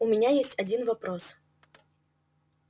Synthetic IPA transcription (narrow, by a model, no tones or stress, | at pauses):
umʲɪnʲajesʲtʲɐd͡zʲinvapɾɔs